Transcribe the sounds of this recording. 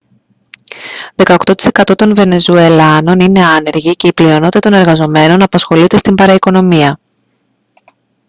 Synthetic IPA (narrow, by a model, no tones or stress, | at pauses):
ðe̞kɐokt̪o̞t̪i̥se̞kɐt̪o̞t̪o̞nve̞ne̞zue̞lɐno̞nine̞ɐne̞ɾʝice̞iplio̞no̞t̪it̪ɐt̪o̞ne̞ɾɣɐzo̞me̞no̞nɐpɐsxo̞lit̪e̞st̪imbɐɾɐiko̞no̞miɐ